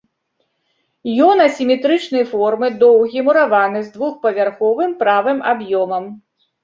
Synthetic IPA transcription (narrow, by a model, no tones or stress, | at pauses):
jɔnɐsʲimʲɛt̪ɾɨt͡ʂnɐjfɔrmɨd̪ɔwɣʲimuɾavanɨzd̪vuxpɐvʲarxɔvɨmpɾavɨmabjɔmɐm